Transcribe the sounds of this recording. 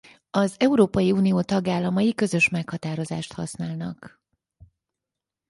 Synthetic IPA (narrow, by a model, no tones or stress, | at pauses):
ɒzɛuɾoːpɒjiuːnijoːt̪ɒɡaːlːɒmɒjikø̞zø̞ʃmɛkhɒt̪aːɾo̞za̰ːʃt̪hɒ̰snaːlnɒ̰k